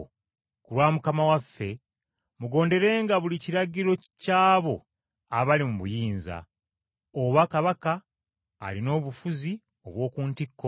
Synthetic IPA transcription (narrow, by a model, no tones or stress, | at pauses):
kulwaːmukamawafːe̞ | muɡo̞ːnde̞ɾe̞ːŋɡaβuliciɾaɟiɾo̞ | caːβo̞ | aβalimuβujiːnza̰ | oβakaβaka̰ː | lino̞ːβufuzi | o̞βwo̞ːkuːntikːo